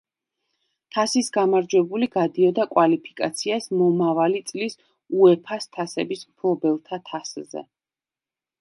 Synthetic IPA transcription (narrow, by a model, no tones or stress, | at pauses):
t̪ʰasisɡamaɾd͡ʒwɛbuliɡad̪iɔd̪akʼwalipʰi̥kʼat̪sʰiasmɔmavalit̪sʼlis | uɛpʰast̪ʰasɛbismpʰlˠɔbɛlˠt̪ʰat̪ʰaszɛ̰